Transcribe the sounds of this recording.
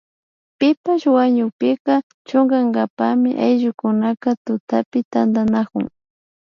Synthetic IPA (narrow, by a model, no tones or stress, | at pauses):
pɪpaʃwaɲʊkpɪka | t͡ʃoŋɡaŋɡapamɪʔajʒʊkʊnakat̪ʊt̪apɪt̪and̪anakʊ̰ŋ